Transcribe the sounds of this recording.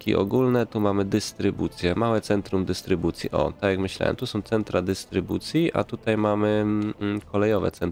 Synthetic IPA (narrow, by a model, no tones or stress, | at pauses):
kʲḭʔɔ̰ɡulnɛt̪umamɘd̪ɘst̪ɾɘbut̪sʲjɛmawɛt̪sɛnt̪ɾumd̪ɘst̪ɾɘbut̪sʲjiʔɔ̰t̪akjakmɘɕla̰wɛ̰mt̪usɔ̃w̃t̪sɛnt̪ɾad̪ɘst̪ɾɘbut̪sʲjiʔa̰t̪ut̪ajmamɘkʰɔlɛjɔvɛ̰t̪ɛn